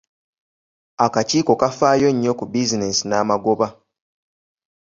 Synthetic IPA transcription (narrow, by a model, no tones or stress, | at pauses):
akaciːko̞kafaːjo̞ɲːo̞kubizinesinaːmaɡo̞βa